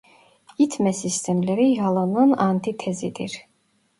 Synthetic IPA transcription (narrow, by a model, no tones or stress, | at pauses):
it̪ʰmɛsist̪ʰɛmlɛɾiɦɑlˠanɯnant̪ʰit̪ʰɛzid̪ḭɾ